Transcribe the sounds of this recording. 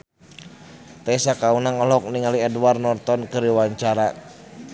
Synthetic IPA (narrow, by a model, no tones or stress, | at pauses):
t̪ɛisakaunaŋɔlɔk̚niŋaliɛduwarnɔrt̪ɔnkəɾiwaɲt͡ʃaɾa